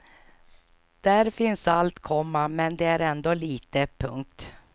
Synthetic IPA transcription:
d̪̥æɾfɪnsalt̪kʰɔmːamɛnd̪ɛæɾɛnd̪oːliːt̪əpʰɵŋk̚t̪

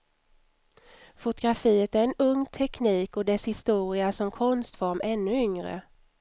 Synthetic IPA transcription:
fʊt̪ʊɡɾafiːət̪æɾɛnɵŋːt̪ʰɛkniːkɔd̪ɛshɪst̪uːɾɪasɔmkʰɔnst̪fɔɾmɛnːɵʏŋɾə̰

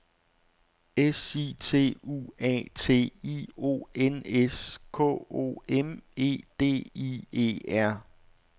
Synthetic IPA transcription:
esiːt͡sʰe̝̰ːṵːɛ̰ːt͡sʰe̝̰ːio̝̰ːeneskʰɔ̰o̝̰ːeme̝̰ːd̥e̝̰ːie̝̰ːæɐ̰

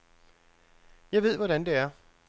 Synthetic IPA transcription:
jɑ̈ɪʋe̝ð̞̰ˠʋɒɾ̥ænd̥e̝æɐ

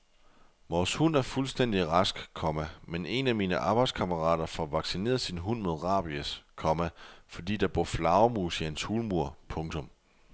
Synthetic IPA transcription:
ʋɒːshun̰æɐfulsd̥en̰d̥iʁɑsɡ̥kʰɒ̽mæmenʔe̝næmiːnəʔɑ̈ːb̥ɑ̈ɪd̥skʰɑ̈məʁɑ̰̈ːd̥ɐfɒʋɑ̈ɡ̥sine̝̰ːɐð̩ˠsinɦun̰mo̝ðˠʁɑ̰̈ːb̥iəskʰɒ̽mæfɒ̽d̥ḭːd̥ɑ̈b̥ɔ̰flɑ̈ʊmuːsihænshuːlmuɐ̰pʰɔ̽ŋt͡sʰɔ̽m

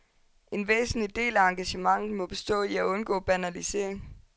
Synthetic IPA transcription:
ʔe̝nʋḛːsn̩lid̥e̝̰ːlæɑ̈ŋɡ̥æɕəmɑ̈ŋð̩ˠmɒ̽b̥e̝sd̥ɔ̰̽ːiæɔ̽nɡ̥ɔ̰̽ːb̥ænælise̝̰ɐ̰eŋ

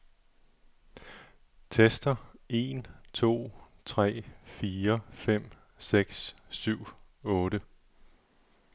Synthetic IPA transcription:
t͡sʰesd̥ɐe̝nt͡sʰo̝̰ːt͡sʰʁɛ̰ːfiːɐfem̰ | seɡ̥ssyʊ̰ | ɔ̽ːɾə

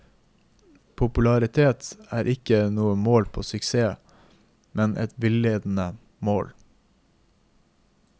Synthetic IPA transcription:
pʰʊpʉlɑɾɪt̪ʰeːt̪æːɾʔɪkənuːəmoːlpʰo̰ːsʏkseː | mʔɛnʔɛ̰t̪ʋɪleːd̪n̩ə | moːl

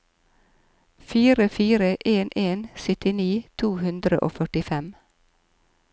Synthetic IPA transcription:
fiːɾəfiːɾəʔeːnʔeːnsʏt̪ɪniːt̪ʰuːhʉnd̪ɾə̰ʔo̰ːfœʈɪfɛm

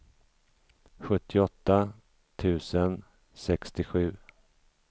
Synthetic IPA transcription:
ɧɵt̪ʰːɪɔt̪ːa | t̪ʰʉ̟ːsən | sɛkst̪ɪɧʉ̟ː

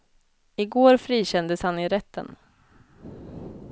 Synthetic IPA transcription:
ɪɡoːɾfɾiːɕɛnd̪əshanɪɾɛt̪ʰːə̰n

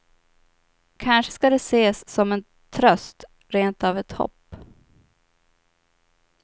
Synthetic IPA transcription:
kʰanʂə̥skad̪ɛseːsːɔmɛn | t̪ʰɾœst̪ | ɾeːnt̪avɛt̪hɔ̰pː

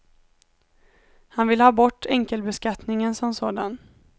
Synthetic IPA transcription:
hanvɪlhɑːbɔʈːɛŋkəlbɛskat̪nɪŋənsɔmsoːd̪an

